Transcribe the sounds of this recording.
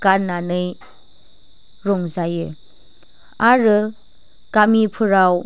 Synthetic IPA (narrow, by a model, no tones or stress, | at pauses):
ɡananɯj | ɾɔŋzajɯ | aɾɯ | kamipʰɯɾaw